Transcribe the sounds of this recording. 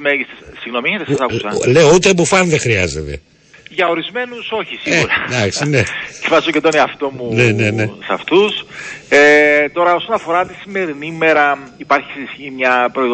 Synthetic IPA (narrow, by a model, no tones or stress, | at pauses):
meʝist̪essiɣno̞miiçet̪essɐle̞out̪eːbofɐnðexɾiɐ̰zḛt̪ḛ | ʝɐo̞ɾizme̞nuso̞çisieɣɾɐd̪ɐksinecefɐsisocet̪oneɐft̪o̞munenenesɐft̪uset̪o̞ɾɐo̞sonɐfo̞ɾɐt̪isime̞ɾinime̞ɾɐipɐɾçi̥sisçimɲɐpɾo̞i